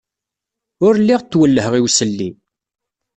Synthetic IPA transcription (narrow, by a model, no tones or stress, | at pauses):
ʊɾlːiʁt̪ːwəlːəhʁiwsəlːi